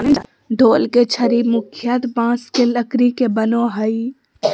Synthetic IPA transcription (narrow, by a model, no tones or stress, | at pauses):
d̪ʱoːlket͡ʃʰɐɾimʊkʰjət̪bãːskelɐkɾikebɐnoɦɐi